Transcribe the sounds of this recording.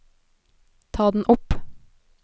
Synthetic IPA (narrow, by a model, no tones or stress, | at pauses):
t̪ʰɑːd̪n̩ʔʊp